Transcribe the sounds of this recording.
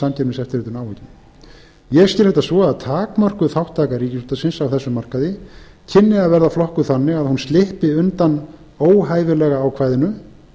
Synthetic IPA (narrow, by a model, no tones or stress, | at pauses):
amcʰɛɾmɪsɛft̪ɪɾɪːt̪ʏnawvɛcɪn | jɛɣst̪c̪ɪlhɛt̪ːasvɔaðt̪ʰaːkmœr̥kʏθawht̪ʰaːkaɾiːcɪsuːt̪asɪnsawθɛsːʏmar̥kaðɪ | cʰɪnːɪaðvɛɾðaflɔhkʏθanːɪɣaðhunst̪lɪhpɪʏnt̪an | oːwɦaːjvɪlɛːɣaaːwkʰvaːjðɪnʏ